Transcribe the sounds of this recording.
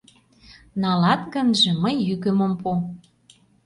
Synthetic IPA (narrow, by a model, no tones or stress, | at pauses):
nɑlɑt̪ɡə̆nʒĕməjːykømompu